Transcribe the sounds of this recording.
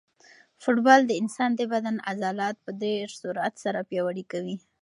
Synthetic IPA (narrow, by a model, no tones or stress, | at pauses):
fʊʈbɑld̪əɪnsɑnd̪əbad̪anazɑlɑt̪̚pəd̪eɾsuɾat̪saɾapjɑwaɽikawi